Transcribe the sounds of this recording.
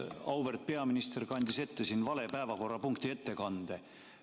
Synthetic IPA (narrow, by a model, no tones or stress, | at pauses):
ɑwvert̪̚pe̞ɑminist̪e̞rkɑnʲd̪̥ise̞t̪ːe̞sinːvɑle̞pæevɑko̞rːɑpuŋkt̪ie̞t̪ːe̞kɑnd̪̥e̞